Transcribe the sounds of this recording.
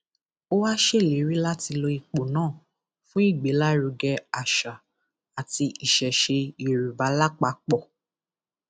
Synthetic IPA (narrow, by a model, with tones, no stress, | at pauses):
o˦wa˦ʃe˦˨le˨˦ɾi˦la˦ti˧lo˧i˧k͡po˨nãː˦˨ | fũ˦i˦˨ɡ͡be˨˦la˦ɾu˧ɡɛ˧a˨ʃa˨ | a˨ti˧i˨ʃɛ˨ʃe˧i˨ɾu˨ba˨˦la˦k͡pa˧˦k͡pɔ˦˨